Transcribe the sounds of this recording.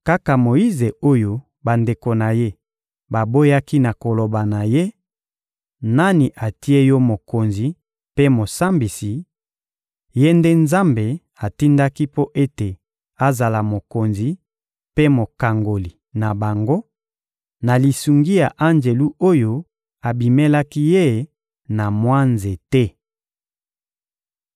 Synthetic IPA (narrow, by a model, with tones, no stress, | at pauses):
ka˦ka˨mo˨i˦ze˨o˦jo˦ | ba˨nde˨ko˨na˨je˦ | ba˨bo˦ja˦ki˦na˨ko˨lo˨ba˨na˨je˦ | na˦ni˨ʔa˨ti˦e˦jɔ˦mo˨ko˨nzi˨ | pe˦mo˨sa˦mbi˨si˨ | je˦nde˦nza˦mbe˨ | a˨ti˦nda˦ki˦po˦ʔe˦te˨ | a˦˨za˨la˨mo˨ko˨nzi˨ | pe˦mo˨ka˨ŋɡo˨li˨ | na˨ba˨ŋɡo˦ | na˨li˨su˨ŋɡi˦ja˨ʔa˦nd͡ʒe˨lu˦o˦jo˦ | a˨bi˨me˦la˦ki˦je˦ | na˨mwa˦nze˨tɛ˦